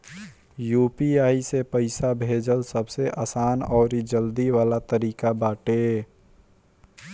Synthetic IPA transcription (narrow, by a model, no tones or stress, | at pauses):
juːpiaːisepəɪsabʱeːd͡ʒəlsəbseʔaːsaːnɔːɾid͡ʒəld̪iwaːlat̪əɾiːkabaːʈe